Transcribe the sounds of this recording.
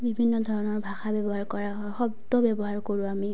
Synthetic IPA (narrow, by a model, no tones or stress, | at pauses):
bibʱinːɔd̪ʱɔɹɔnɔɹbʱaxabɛbɔɦaɹkɔɹaɦxɔbd̪ɔbjɛbɔɦaɹkoɹũami